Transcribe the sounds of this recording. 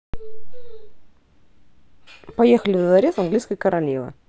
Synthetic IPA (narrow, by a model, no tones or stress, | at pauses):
pɐjexəlʲɪvd̪zɐɾʲesɐnɡlʲiskəjkəɾɐlʲivˠə̰